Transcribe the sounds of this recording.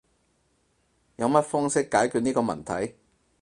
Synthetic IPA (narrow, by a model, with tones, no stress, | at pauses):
jɐ˨˧wmɐ˥t̚fɔː˥ŋsɪ˥kːaː˨˥jkyː˨˧t̚niː˥kɔː˧mɐ̰˨˩nt̪ʰɐ̰˨˥j